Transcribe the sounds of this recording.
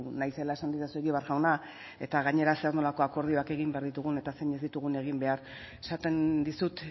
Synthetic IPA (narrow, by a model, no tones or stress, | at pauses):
najse̞laesand̪isasueɣiβaɾɣawna | e̞t̪aɣaɲe̞ɾase̞aɾno̞lako̞ako̞ɾð̞io̞ake̞ɣimbe̞aɾðit̪uɣ̞une̞t̪ase̞ɲe̞zd̪it̪uɣune̞ɣ̞imbe̞aɾ | esat̪e̞nd̪isut̪